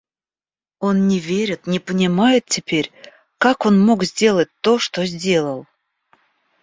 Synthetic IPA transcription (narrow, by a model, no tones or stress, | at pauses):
o̞nnʲɪvʲeɾʲɪt̪nʲɪpənʲɪmajɪt̪̚tʲɪpʲeɾʲ | kako̞nmokzʲdʲe̞lˠətʲt̪o̞ʂt̪ozʲdʲe̞lˠəlˠ